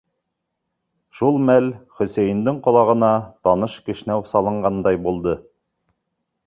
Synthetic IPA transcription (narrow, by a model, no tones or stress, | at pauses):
ʃulˠmælχɵ̆sæjɘ̆nd̪ɘɴqŏlˠɑʁɤ̆nɑt̪ɑnɤʃkɘ̆ʃ̆næwsɑlˠɤ̆ɴɢɑnd̪ɑjbulˠd̪ɤ